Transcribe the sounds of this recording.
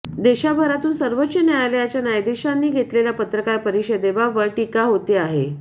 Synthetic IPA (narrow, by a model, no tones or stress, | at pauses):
d̪eɕabʱəɾat̪uːnsəɾʋotːt͡ɕːənaɭalejat͡ɕjanajd̪eɕanːiːɡʱet̪leljapət̪ɾəkaɾpəɾiɕəd̪eʋaʋəɾʈikaɦot̪eaɦḛ